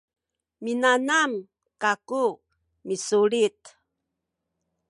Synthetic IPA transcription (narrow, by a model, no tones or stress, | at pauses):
minanam | kaku | misuɭit̪